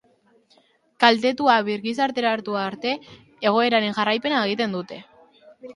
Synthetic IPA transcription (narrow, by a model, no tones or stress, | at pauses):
kalt̪e̞t̪uaβiɾɣisaɾt̪e̞ɾaɾt̪uaːɾt̪e̞ː | ɣ̞o̞e̞ɾaɾe̞nʝarajpe̞naeɣ̞it̪e̞nd̪ut̪e̞